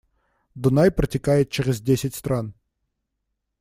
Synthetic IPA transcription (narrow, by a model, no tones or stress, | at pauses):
d̪ʊnajpɾɐtʲɪkajɪt̪̚t͡ʃɛɾɪzʲdʲesʲɪtʲst̪ɾan